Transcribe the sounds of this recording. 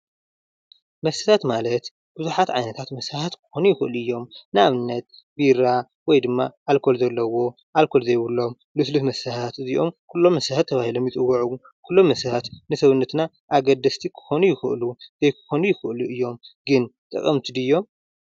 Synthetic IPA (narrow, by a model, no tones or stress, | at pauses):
mɐsɐt̪ʰat̪malɐt̪ | b̥ɨzuħat̪ʕajnɐt̪ʰat̪mɐsɐhat̪kʰɨ̥xo̞nujɪxɨʔɨluɨjːo̞mnɨaβnːɐt̪̚ | biɾa | wɔjd̪ɨmːa̰ʔalkʰo̞lzɐlːɐwo̞ | ʔalkʰo̞lzɐjβɨlːo̞m | lɨslɨt̪mɐsɐtat̪ɨziʔo̞̰mkʰulːo̞mːɐsahat̪ʰːɐβahilo̞mjɪt͡sʼɨwːɐʕu | kʰulːo̞mːɐsɐhat̪nɨsɐβunːɐt̪na | ʔaɡɐd̪ɐst̪ʰikʰɨ̥xo̞nujɪxɨʔluzɐjkʰɨ̥xo̞nujɪxɨʔluɨjːo̞mɡɨnt̪ʼɨ̰kʼɐmt̪ʰid̪ɨjːo̞m